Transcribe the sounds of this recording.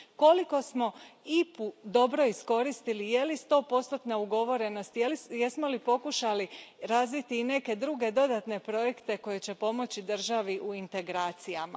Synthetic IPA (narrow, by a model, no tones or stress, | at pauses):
ko̞liko̞smo̞ipud̪o̞bɾo̞isko̞ɾist̪ilije̞list̪o̞po̞st̪ot̪nauɡo̞ʋo̞ɾe̞no̞st̪jljesmo̞lipo̞kuʃaliɾazʋit̪iːne̞ke̞d̪ɾuːɡe̞d̪o̞d̪at̪ne̞pɾo̞je̞kt̪e̞ko̞je̞t͡ɕe̞po̞mo̞t͡ɕid̪r̩ʒaʋiʔuint̪e̞ɡɾaːt̪sijama̰